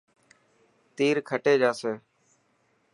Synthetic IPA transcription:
t̪iːɾkʰəʈeːd͡ʒaːseː

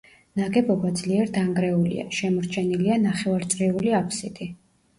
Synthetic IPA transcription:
naɡɛbɔbad̪zliɛɾd̪aŋɡɾɛulḭa̰ʃɛmɔɾt͡ʃʰɛnilianaχɛvaɾt̪sʼɾiuliapʰsit̪ʰʼi

